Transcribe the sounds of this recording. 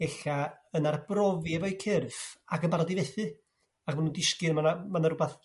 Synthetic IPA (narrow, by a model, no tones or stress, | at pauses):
ɛɬaənarbrɔvjɛvɔjkʰɪrfakənmbaɾɔdivɛθɨ | akmanuːndɪskɨnmanamanaɾʊbaθ